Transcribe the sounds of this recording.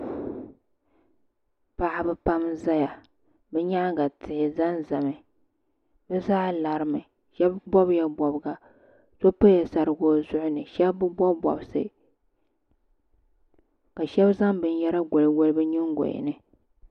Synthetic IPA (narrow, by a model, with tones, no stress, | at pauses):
pa˨ʔa˨bɨ˦pa˦mza˦ja˨ | bɛ˦ɲa˦ʔɡa˨tʰɪ˨hɪ˨za˦nza˨mɨ˨ | bɛ˦za˦la˨ɾɨ˨mɨ˨ | ʃɛ˦bbɔ˦bja˦bɔ˨bɡa˨ | so˦po˦ja˨sa˨ɾɨ˨ɡo˦zʊ˦ʔʊ˦nɨ˨ʃɛ˦bbɨ˦bɔ˦bɔ̰˨bsɨ̰˨ | ka˨ʃɛ˦bza˦mbɨ˨n˦jɛ˦ɾa˦ɡo˨lɨ˨wo˦lɨ˦bɨ˦ɲɪ˦ŋɡo̰˨jɪ̰˨nɨ˨